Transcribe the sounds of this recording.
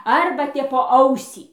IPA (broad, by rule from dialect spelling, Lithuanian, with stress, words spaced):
ˈɐrbɐ tʲɛp poː ˈɐʊsʲiː